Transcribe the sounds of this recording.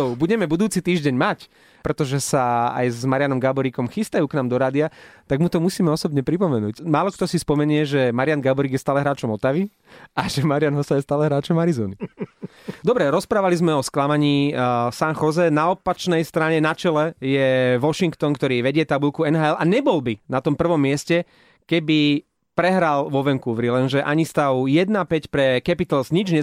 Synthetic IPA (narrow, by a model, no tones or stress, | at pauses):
buɟɛmɛbud̪uːt͡sit̪iːʒɟɛɲmac | pɾɛt̪ɔʒɛsaa̰jzmaɾɪanɔmɡabɔɾikɔmxist̪ajuːknaːmd̪ɔɾaːd̪iat̪aɡmut̪ɔmusiːmɛɔsɔbɲɛpɾipɔmɛnṵːcmaːlɔkt̪ɔsispɔmɛɲɪɛʒɛmaɾɪanɡabɔɾiɡjɛst̪aːlɛɦɾaːt͡ʃɔmɔt̪aʋi | aʒɛmaɾɪanɦɔsajɛst̪aːlɛɦɾaːt͡ʃɔmaɾizɔːni | d̪ɔbɾɛɾɔspɾaːʋalizmɛɔsklamaɲiːsanxɔzɛnaɔpat͡ʃnɛjst̪ɾaɲɛnat͡ʃɛlɛjɛʋɔʃiŋkt̪ɔnkt̪ɔɾiːʋɛɟɪɛt̪abulkuɛnɦaːɛlaɲɛbɔlbinat̪ɔmpr̩ʋɔmːɪɛscɛ | kɛbi | pɾɛɦɾalʋɔʋɛŋkuʋɾilɛnʒɛʔa̰ɲist̪aʊjɛd̪napɛcpɾɛkɛpit̪alzɲid͡ʒɲɛ